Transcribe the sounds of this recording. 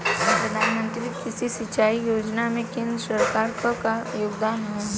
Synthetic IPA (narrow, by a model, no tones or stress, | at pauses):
ʋɪpɾɐd̪ʱaːnmə̃nt̪ɾikɪsisɪt͡ʃaːijoːd͡ʒnamẽkɪ̃nd̪ɾəsɐɾkaːɾkəkajoːɡd̪aːnɦo